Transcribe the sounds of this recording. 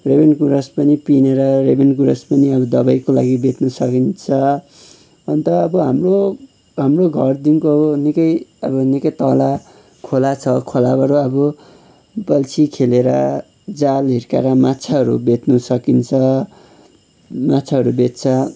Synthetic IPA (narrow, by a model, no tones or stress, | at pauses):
rebenkuɾʌspʌnipineɾʌrebenkuɾʌspʌniʌbʌd̪ʌbajkola̰ɡibet̪nusʌkint͡sʰʌ | ʌnt̪ʌːbʌɦamro | ɦamroɡʱʌrd̪inkoʌbʌnikʌjʌbʌnikʌjt̪ʌla | kʰolat͡sʰʌkʰolabʌɾuʌbʌ | bʌlt͡sʰikʰeleɾʌ̰ | d͡zalɦirka̰ɾʌmat͡sʰaɦʌɾṵbet̪nusʌkint͡sʰʌ | mat͡sʰaɦʌɾubet̪t͡sʰʌ